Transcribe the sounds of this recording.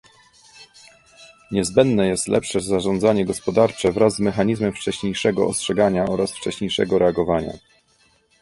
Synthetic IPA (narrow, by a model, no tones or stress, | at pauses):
ɲɛzbɛnd̪nɛjɛst̪lɛpʂɛzaʐɔnd̪zaɲɛɡɔspɔd̪aɾt͡ʂɛvɾazːmɛxaɲizmɛmft͡ʂɛɕɲejʂɛɡɔ̰ɔ̰stʂɛɡaɲaɔɾasft͡ʂɛɕɲejʂɛ̰ɡɔɾɛaɡɔvaɲa̰